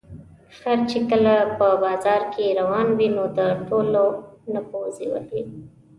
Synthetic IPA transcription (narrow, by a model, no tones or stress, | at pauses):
xaɾt͡ʃekəlapəbɑzɑɾkʰeɾawɑnwinod̪əʈolonapoziwə̰li